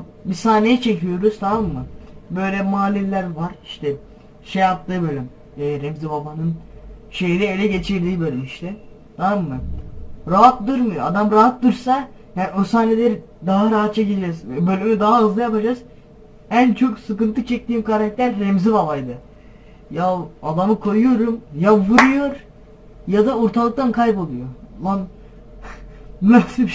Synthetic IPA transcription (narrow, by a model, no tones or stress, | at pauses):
bisaːnejɛt͡ʃʰecijo̞ɾuz̥t̪ʰamamːɯbø̞jlʲɛmaːlʲilʲːæɾvaɾiʃt̪ʰɛ | ʃejap̚t̪ʰːɯːbø̞lʲym | ɛːɾɛmzibabanɯnʃe̞jid̪ɛelʲɛɟe̞t͡ʃʰiɾd̪iːbølʲɛiʃt̪ɛt̪ʰamamːɯɾaɦat̪d̪ɯɾmɯjad̪amɾaɦat̪d̪ɯɾsa | jaosaːnelʲeɾi | d̪aɦaɾaɦat̪t͡ʃʰaɟilʲid͡ʒɛzɛbølʲymid̪aɦaɯzlˠajapad͡ʒaz̥ | ænt͡ʃʰo̞ksɯkɯnt̪ʰɯt͡ʃʰɛc̚t̪ʰiːmkʰaɾakc̚t̪ʰæɾːemzivavajd̪ɯ | jaad̪amɯkʰo̞jujo̞ɾumjavɯɾujo̞ɾ | jad̪auɾt̪ʰalˠɯk̚t̪ʰankʰajpo̞lˠujoman | nasɯ